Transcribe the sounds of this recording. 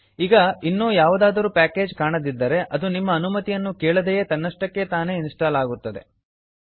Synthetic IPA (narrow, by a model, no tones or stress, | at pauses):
iːɡɐinːuːjaːʋud̪aːd̪ɐɾuːpaːke̞ːd͡ʒkaːɳɐd̪id̪ːɐɾe̞ʔɐd̪unimːɐːnumɐt̪ijɐnːukeːɭɐd̪ejet̪ɐnːɐʂʈɐkːe̞t̪aːne̞insʈaːlaːɡut̪ːɐd̪e̞̰